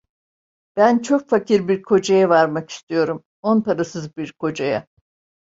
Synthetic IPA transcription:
b̥ænt͡ʃʰo̞kfacʰiɾbiɾkʰo̞d͡ʒajavaɾmaki̥st̪ʰijo̞ɾum | onpaɾasɯzbiɾkʰo̞d͡ʒaja̰

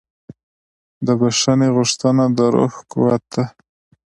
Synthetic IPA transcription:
d̪əbaʂaneɣʊʂt̪ənad̪əɾo̰xkʊwat̪̚a

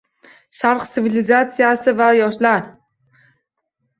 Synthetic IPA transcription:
ʃaɾqsɪvilʲɪzat̪sijasɪvajɒʃlaɾ

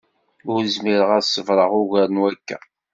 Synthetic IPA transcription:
ʊɾəzmiɾəʁæsːəvɾˤəʁʊʝæɾənwækːæ̰

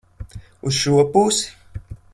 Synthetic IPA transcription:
uʃuopusi̥

